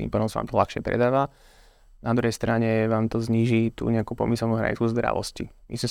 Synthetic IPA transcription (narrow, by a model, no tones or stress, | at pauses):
t̪ḭmpaːd̪ɔmsaʋa̰ːmt̪ɔlaxʃɪɛpɾɛ̰d̪aːʋa | nad̪ɾuɦɛjst̪ɾaɲɛʋaːmt̪ɔzɲiːʒit̪ṵɲɛakuːpɔ̰misɛlnuːɦɾa̰ɲḭt͡skuzd̪ɾa̰ʋɔ̰scḭmʔḭsm